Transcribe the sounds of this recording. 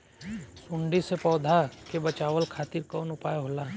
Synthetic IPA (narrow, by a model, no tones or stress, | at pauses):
sʊ̃ɳɖisepɔːd̪ʱakebɐt͡ʃaːʋəlkʰaːt̪ɪɾkɔːnʊpaːjeɦoːlaː